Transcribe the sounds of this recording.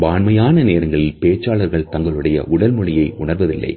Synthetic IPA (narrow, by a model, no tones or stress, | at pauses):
baːnmɐjaːnɐneːɾɐŋɡɐɭɪlpeːt͡ʃːaːɭɐɾɣɐɭt̪ɐŋɡɐɭɯɽɐjɐ̰ʔʊɽɐlmɔɻɪjɐɪʔʊɳɐɾʋɐðɪlːɐ̰ɪ